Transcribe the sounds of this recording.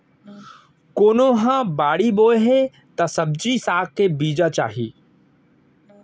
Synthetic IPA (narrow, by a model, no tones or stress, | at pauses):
koːnoɦãbaːɽiboːeɦe | t̪ɐsɐb̚d͡ʒisaːkkebiːd͡ʒat͡ʃa̰ːɦḭː